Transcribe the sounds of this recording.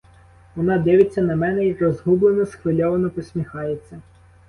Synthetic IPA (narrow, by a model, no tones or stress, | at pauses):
ʋɔnɑd̪ɪʋɪt͡sʲːɐnɐmɛnɛjikɾɔzɦublˠenɔsxʋelʲɔʋɐnɔpɔsʲmʲixɑjet͡sʲːɐ